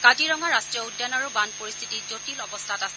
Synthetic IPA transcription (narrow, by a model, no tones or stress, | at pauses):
kadiɹɔŋaɹastɹijɔudːanaɹubanpoɹist̪ʰitizotilɔbɔstʰatasɛ